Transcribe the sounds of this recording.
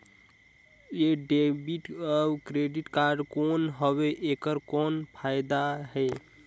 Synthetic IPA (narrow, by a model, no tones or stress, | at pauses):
jeɖebiʈəbkɾeɖiʈkaɾɖkonɦəbeʔekəɾkonpʰaɪd̪aɦɛ